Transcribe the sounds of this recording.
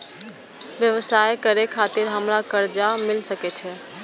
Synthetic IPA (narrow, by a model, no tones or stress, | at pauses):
ʋjəʋəsajkəɾekʰat̪iɾɦəmɾakəɾd͡ʒamɪlsəket͡ʃʰɛ